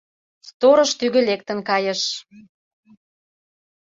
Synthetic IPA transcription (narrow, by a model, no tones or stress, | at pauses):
st̪oɾə̆ʃt̪yɣə̆lek̚t̪ə̆nkɑjə̆ʃ